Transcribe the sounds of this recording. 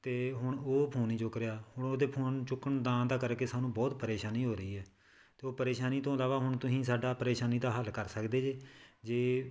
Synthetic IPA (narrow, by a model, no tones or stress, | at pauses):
t̪eːɦʊɳoːpʰoːniːt͡ʃʊkɾeaːhʊɳ̃oːd̪eːpʰoːnt͡ʃʊkːəɳd̪ãːnd̪aːkəɾkeːsaːnũːbɔːt̪pəɾeːʃaːniːɦoːɾəiːɦɛː | t̪eːoːpəɾeːʃaːniːt̪õːəlaːʋaːɦʊɳt̪ʊsĩːsaːɖaːpəɾeːʃaːniːd̪aːɦəlkəɾsəkd̪eːd͡ʒeːd͡ʒeː